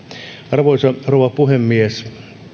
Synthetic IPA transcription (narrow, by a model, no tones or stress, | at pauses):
ɑrʋoisɑrowʋɑpuhemːies